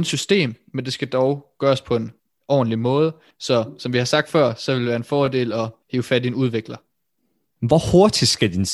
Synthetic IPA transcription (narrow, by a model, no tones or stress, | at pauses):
nsysd̥e̝̰ːmmend̥e̝sɡ̥æd̥ɒʊɡ̥ɶːɐspʰɒ̽e̝n | ʔɒ̰ːn̩limɔ̽ːð̞ˠə | sɒ̽sɒ̽mʋihɑ̈sɑ̈ɡ̥̚d̥fɶɐ̰sɒ̽ʋe̝ld̥eʋæːɐe̝nfɒːde̝̰ːlɒ̽he̝ːʊfædienuð̞ˠʋeɡ̥lɐ | ʋɒhoɐd̥i̥sɡ̥æd̥ins